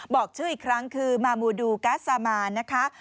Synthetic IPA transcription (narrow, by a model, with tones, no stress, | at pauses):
bɔː˨˩k̚t͡ɕʰɯː˥˩ʔiː˨˩kʰɾa˦˥ŋkʰɯː˧maː˧muː˧duː˧kaː˦˥saː˧maː˧na˦˥kʰa˦˥